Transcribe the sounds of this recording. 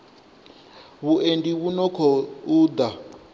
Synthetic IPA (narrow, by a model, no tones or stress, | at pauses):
βuʔendiβunɔkʰɔuːd̪a